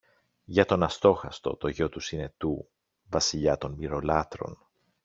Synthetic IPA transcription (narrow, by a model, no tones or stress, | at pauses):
ʝɐt̪o̞nɐst̪o̞xɐst̪o̞̰t̪o̞ʝo̞t̪usine̞t̪u | vɐsiʎɐt̪o̞nmiɾo̞lɐt̪ɾo̞̰n